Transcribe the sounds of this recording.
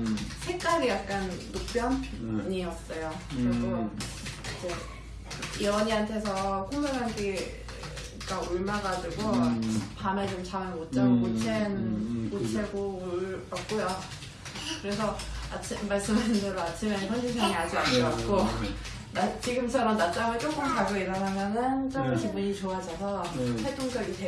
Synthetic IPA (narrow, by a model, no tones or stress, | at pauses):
sʰek͈aɾijak̚k͈anːok̚p͈jʌnɲiʌs͈ʌjokɯɾeɡo | id͡ʑe | iʌɲiɦantʰe̞sʰʌkʰoŋmoŋɦanɡi | ɡ͈auɭmaɡad͡ʑuɡopamet͡ɕomt͡ɕʰaɯnmot̚t͡ɕ͈akot͡ɕʰenkot͡ɕʰeɡouɭbak̚k͈ojo | kɯɾe̞sʰʌat͡ɕʰimːaɭs͈ɯmaɕindeɾoat͡ɕʰimekʰjʌnd͡ʑisʰaŋiad͡ʑianɯɡat̚k͈o | nat͡ɕiɡɯmt͡ɕʰʌɾʌnnat͡ɕ͈aŋɯɭt͡ɕ͈ok͈ɯmkaɡoiɾʌnɦamjʌnɯnt͡ɕ͈ʌmɯt͡ɕibuɲit͡ɕoad͡ʑʌsʰʌpʰetʰoŋsʌɡite